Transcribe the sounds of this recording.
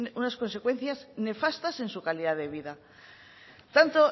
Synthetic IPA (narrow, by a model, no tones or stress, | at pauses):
unasko̞nse̞kwe̞n̟θjazne̞fast̪ase̞nsukaliðaðe̞βiða | t̪ant̪o